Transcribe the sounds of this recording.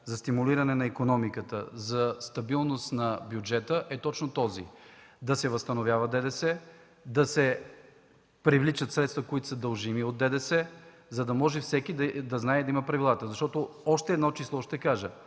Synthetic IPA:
zɐst̪imuliɾɐnɛnɐikonɔmikət̪ə̰zɐst̪ɐbilˠnost̪nɐbjud͡ʒɛt̪əʔɛt̪ɔt͡ʃnot̪ɔzḭd̪ɐsɛvɐst̪ɐnovʲjavɐd̪ɛd̪ɛsɛ | d̪ɐsɛ | pɾivlit͡ʃət̪sɾɛt̪st̪vɐkoit̪o̥səd̪ɐlˠʒimiod̪ːɛd̪ɛsɛ | zɐd̪ɐmɔʒɛfsɛkid̪d̪ɐznaɛd̪ɐimɐpɾɐvilˠat̪əzɐʃt̪ɔt̪oɔʃt̪ɛd̪nɔt͡ʃislˠɔʃt̪ɛkaʒə

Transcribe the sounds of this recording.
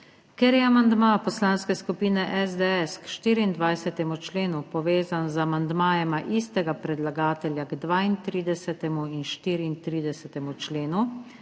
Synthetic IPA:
keɾjɛamand̪mapɔslaːnskɛskupiːnɛʔɛzd̪ɛɛskʃt̪iːɾiːnd̪ʋajsɛt̪ɛmut͡ʃleːnupɔʋeːzanzamand̪maːjɛmaʔist̪ɛɡapɾɛd̪laɡaːt̪ɛljaɡd̪ʋaːint̪ɾiːd̪ɛsɛt̪ɛmuinʃt̪iːɾiːnt̪ɾiːd̪ɛsɛt̪ɛmut͡ʃleːnu

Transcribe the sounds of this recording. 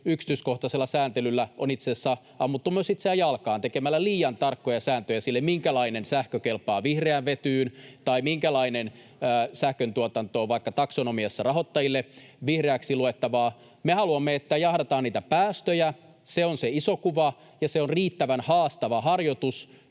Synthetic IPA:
yksi̥t̪yːskoht̪ɑselːɑsæːnt̪elylːæʔo̰nit̪sesːæ | ɑmːut̪ːumyøsit̪seæjɑlkɑːnt̪ekemælːæliːjɑnt̪ɑrkːojɑsæːnt̪øjæsilːemmiŋkælɑinensæhkøkelpɑːʋihreæʋʋet̪yːnt̪ɑimiŋkælɑinenː | sæhkønt̪uot̪ɑnt̪oːʋɑikːɑt̪ɑksonomiɑsːɑrɑɦot̪ːɑjilːe | ʋihreæksiluet̪ːɑʋɑː | mehɑluɑmːeet̪ːæjɑhdɑt̪ɑːniːt̪æpæːst̪øjæ | seonseisokuʋɑ | jɑseonriːt̪ːæʋænhɑːst̪ɑʋɑhɑrjot̪us

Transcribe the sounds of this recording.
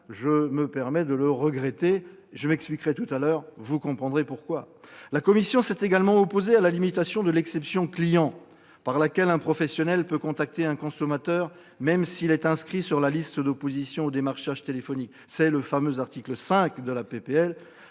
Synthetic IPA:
ʒəməpɛʁmɛd̪ələʁəɡʁɛt̪eʒəmɛksplikʁɛt̪ut̪alœːʁvukɔ̃pχɑ̃d̪ʁepuʁkwa | lakɔmisjɔ̃sɛt̪eɡalmɑ̃ɔpozealalimit̪asjɔ̃d̪əlɛksɛpsjɔ̃klijɑ̃ | paʁlakʲɛlɛ̃pχɔfɛsjɔnɛlpøkɔ̃t̪ak̚t̪eɛ̃kɔ̃sɔmat̪œːʁ | mɛmsilɛt̪ɛ̃skχisyʁlalist̪əd̪opozisjɔ̃od̪emaʁʃaʒt̪elefɔnik | sɛləfamøzaʁt̪ikləsɛ̃kd̪əlapepeɛl

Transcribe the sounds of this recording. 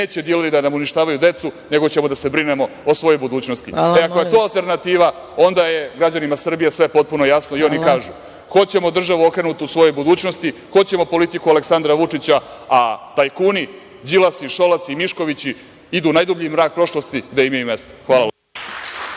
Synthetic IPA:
ne̞ːt͡ɕe̞d̪ieleɾid̪anamuniʃt̪aːʋajud̪e̞t̪sune̞ɡo̞t͡ɕe̞mo̞d̪ase̞bɾinemo̞osʋo̞jojbud̪uːt͡ɕnost̪ieakojet̪o̞ːalˠt̪e̞ɾnat̪iːʋa | o̞nd̪aje̞ɡɾad͡ʑanimasr̩bijesʋe̞po̞t̪̚punojasno̞io̞nikaːʒu | xo̞t̪t͡ɕe̞mo̞d̪r̩ʒaʋuo̞kɾe̞nut̪iusʋo̞jojbud̪uːt͡ɕno̞st̪ixo̞t̪t͡ɕemo̞po̞lit̪ikualeksand̪ɾaʋut͡ʂit͡ɕaat̪ajkuːni | d͡ʑilˠasiʃo̞lat̪siimiʃko̞ʋit͡ɕi | id̪unajd̪ubʎimɾaːk̚pɾo̞ʃlo̞st̪id̪aimajume̞st̪o̥xʋaːlˠal

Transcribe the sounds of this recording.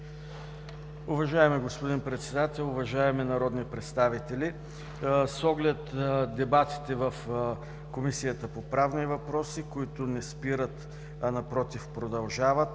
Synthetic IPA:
ʊvɐʒaɛmiɡospod̪inpɾɛt̪sɛd̪at̪ɛlˠʊvɐʒaɛminɐɾɔd̪nipɾɛt̪st̪avit̪ɛli | sɔɡlɛt̪d̪ɛbat̪i̥t̪ɛvəf | komisijət̪əpopɾavnivɐpɾɔsikoit̪onɛspiɾət̪ | ɐnɐpɾɔt̪ifpɾod̪ɐlˠʒavət̪

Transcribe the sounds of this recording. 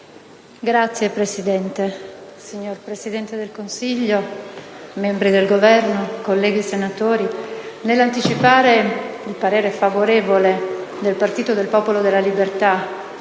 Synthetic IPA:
ɡɾat̪sːjepɾesid̪ɛnt̪esiɲːorpɾesid̪ɛnt̪ed̪elkonsiʎːo | mɛmbɾid̪elɡovɛrnokolːɛːɡisenat̪oːɾinelːant̪it͡ʃipaːɾeilpaɾeːɾefavoɾeːvoled̪elpart̪iːt̪od̪elpɔːpolod̪elːalibert̪a

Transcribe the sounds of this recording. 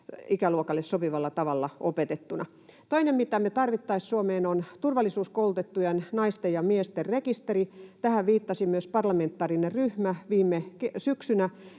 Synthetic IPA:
ikæluokɑlːessopiʋɑlːɑt̪ɑʋɑlːɑopet̪et̪ːunɑ̰ | t̪oinemmit̪æmet̪ɑrʋit̪ːɑissuomeːnont̪urʋɑlːisuːskoult̪et̪ːujennɑist̪ejɑmiest̪errekist̪erit̪æhæʋʋiːt̪ːɑsimyøspɑrlɑment̪ːɑːrinerryhmæʋiːmːekesyksynæ

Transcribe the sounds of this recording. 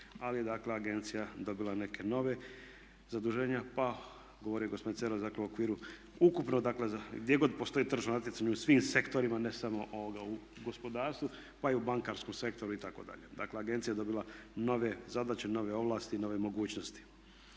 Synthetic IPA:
alije̞d̪akle̞aɡe̞nt̪sijad̪o̞bilˠane̞ke̞no̞ʋe̞ | zad̪uʒe̞ːɲapa | ɡo̞ʋo̞ɾijeɡospeinseɾod̪akleuokʋiːɾu | ukupnod̪akle̞zaɡd̪je̞ɡo̞d̪po̞st̪o̞iːt̪r̩ʒonat̪̬jetsaɲeusʋiːmse̞kt̪o̞ɾimane̞samo̞ʔooɡau | ɡo̞spo̞d̪aːɾst̪vu | paiubaŋkaːɾsko̞mse̞k̚t̪o̞ɾuit̪ako̞d̪a̰ʎed̪akleaɡe̞nt̪sijaed̪o̞bilˠano̞ʋe̞zad̪at͡ɕeno̞ʋeo̞ʋlˠaːst̪ino̞ːʋe̞mo̞ɡuːt͡ɕnost̪i̥

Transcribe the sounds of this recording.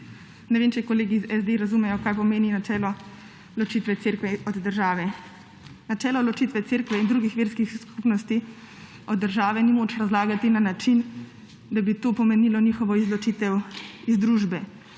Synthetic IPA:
nɛʋeːmt͡ʃɛkɔleːɡizɛzd̪eɾazumɛjɔkaːjpɔmeːninat͡ʃɛːlɔ | lɔt͡ʃiːt̪ʋɛt̪seːɾkʋɛɔd̪ːəɾʒaːʋɛ | nat͡ʃɛːlɔlɔt͡ʃit̪ʋɛt̪seːɾkʋɛind̪ɾuːɡixʋeːɾskixskupnɔst̪i | ɔd̪ːəɾʒaːʋɛnimoːt͡ʃɾazlaːɡat̪inanat͡ʃin | d̪abit̪oːpɔmɛnilɔnixɔʋɔizlɔt͡ʃit̪ɛwizd̪ɾuʒbɛ

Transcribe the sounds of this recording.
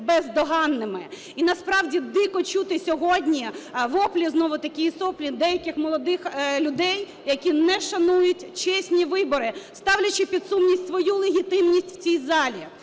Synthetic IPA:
bɛzd̪ɔɦɑnːɪmɪ | inɐspɾɑwdʲid̪ɪkɔt͡ʃut̪ɪsʲɔɦɔdʲnʲiʋɔplʲiznɔʋʊt̪ɐkʲiisɔplʲid̪ɛjɐkɪxmɔlˠɔd̪ɪxlʲʊd̪ɛj | jɐkʲinɛʃɐnujʊtʲt͡ʃɛsʲnʲiʋɪbɔɾɪst̪ɑwlʲɐt͡ʃɪpʲid̪sumnʲisʲtʲsʋɔjulˠeɦʲit̪ɪmnʲisʲtʲw̥t͡sʲijzɑlʲḭ

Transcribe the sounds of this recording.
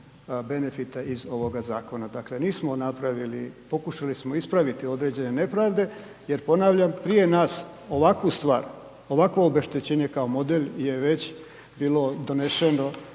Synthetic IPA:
be̞ne̞fit̪aizo̞ʋo̞ɡazaːko̞nad̪akle̞niːsmo̞napɾaʋilipo̞kuʃalismo̞ispɾaʋit̪io̞d̪ɾe̞d͡ʑe̞ne̞ne̞pɾaːʋd̪e̞ | je̞ɾpo̞naːʋlʎampɾije̞naːs | o̞ʋakust̪ʋa̰ːɾ | o̞ʋakʋoobeʃt̪et͡ɕeɲekao̞mo̞d̪elje̞ʋe̞t͡ɕ | biːlo̞d̪o̞ne̞ʃeno̞

